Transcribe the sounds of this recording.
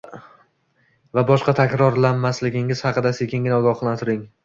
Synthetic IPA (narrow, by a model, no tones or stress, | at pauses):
vabɒʃqɑt̪ʰakʲɾɒɾlanmaslɪɡʲɪŋɪz̥hɑqɨd̪asekʰʲɪŋɪnaɒɡɒχlˠant̪ʰɪɾɪŋ